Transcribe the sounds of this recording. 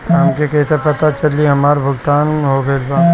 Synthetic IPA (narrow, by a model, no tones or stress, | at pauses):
ɦɐmkekɛt̪epɐt̪at͡ʃɐliɦɐmaːɾbʱʊɡt̪aːnɦoɡɐlbaː